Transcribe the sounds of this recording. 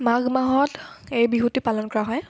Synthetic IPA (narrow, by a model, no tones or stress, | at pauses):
maɡmaɦɔtejbiɦutipalɔnkɔɹaɦɔj